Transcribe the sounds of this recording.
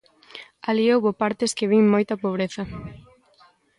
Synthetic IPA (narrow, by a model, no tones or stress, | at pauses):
aliowβopaɾt̪ɪskɪβiŋmojt̪ɐpoβ̞ɾeθɐ